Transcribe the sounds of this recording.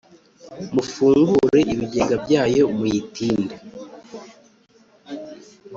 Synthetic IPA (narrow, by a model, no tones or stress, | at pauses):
mufuːŋɡuɾe̞ʔiβiɟeɡabjaːjo̞muitiːnda